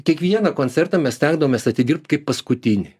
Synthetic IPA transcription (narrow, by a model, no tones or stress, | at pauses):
kʲiɛkʋʲiɛnɐkoːnʲsʲɛrt̪ɑmʲɛssʲt̪ʲɛŋɡd̪ɐʋoːmʲeːsɐt̪ʲɪdʲiɾp̚t̪ʲkɐɪppɐskʊt̪ʲɪnʲɪ